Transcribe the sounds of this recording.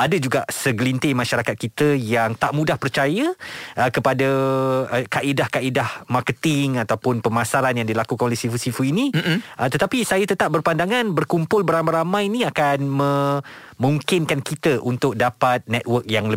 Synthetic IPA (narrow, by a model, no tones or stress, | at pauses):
ʔadəd͡ʒuɡaʔsəɡlint̪emãʃaɾakat̪̚kit̪əjaŋt̪aʔmũdahpərt͡ʃajəəkəpadə | kaʔidahkaidahmarkət̪ɪŋat̪awpʊnpəmasaɾanjaŋdilakukanolɛhsifusifuinĩʔət̪ət̪apisajət̪ət̪ap̚bərpandaŋãnbərkumpʊlbəɾamaɾamãjnĩakanmə̃muŋkɪnkankit̪əʔunt̪ʊk̚dapat̪̚nɛt̪̚wərk̚jaŋlə